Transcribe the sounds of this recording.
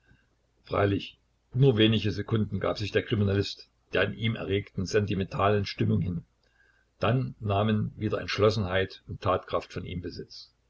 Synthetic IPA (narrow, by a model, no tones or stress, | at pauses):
fʁ̥a̰ɪlɪç | nuːɐveːnɪçəzekʰʊndn̩ɡa̰ːpz̥ɪçd̥eːɐkʁ̥iminalɪst | d̥eːɐɪnʔiːmʔɛ̰ɐʁeːktn̩zɛntimɛntʰaːlənʃtɪmʊŋɦɪn | d̥anːaːmənviːdɐʔɛ̰ntʃlɔsn̩ɦaɪtʊntʰːaːtkʁ̥aftfɔnḭːmbəzɪt͡s